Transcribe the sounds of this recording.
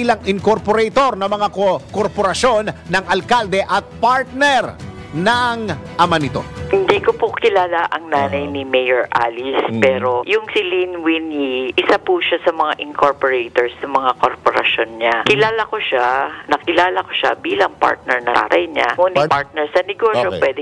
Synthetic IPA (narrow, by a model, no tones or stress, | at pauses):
lɐŋɪŋkoɾpoɾɛjt̪o̞ɾnɐmɐŋakokoɾpoɾɐso̞nːɐŋɐlkald̪ɛʔɐt̪̚paɹt̪̚nɛɾ | nɐŋʔɐmanɪt̪o̞̰hɪnd̪ikopʊkɪlaːlaʔɐŋnaːnɐjnimejoɹʔalispɛːɾo̞jʊŋsilinwinjiʔɪsapuʃasɐmɐŋaʔɪŋkʰoɹpoɾejt̪oɹsnɐmɐŋakoɾpoɾɐ̰ʃonɲakɪlaːlɐkoʃanɐkɪlaːlɐko̥ʃa̰biːlɐŋpa̰ɹt̪̚nɛɹnɐa̰t̪ajɲamuːnɪpaɹt̪̚nɛɹsɐnɪɡoʃopwɛd̪ɛ